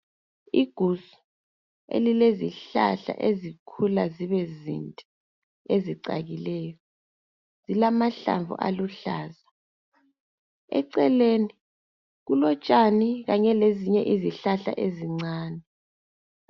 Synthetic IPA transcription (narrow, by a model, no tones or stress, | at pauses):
iɡ̥ʱusu̥ | ḛlileziɬa̰ɬa̰ʔezikʰulaziβɛzḭntʼɛ | eziǀa̰ɣilɛːjɔ | z̥ilamaɬa̰ɱvṵʔa̰luɬaːza | ɛ̰ǀɛleni | ɣulɔt͡ʃʼaniɣaɲɛleziɲɛʔiziɬaɬa̰ʔeziŋ͡ǀaːnɛ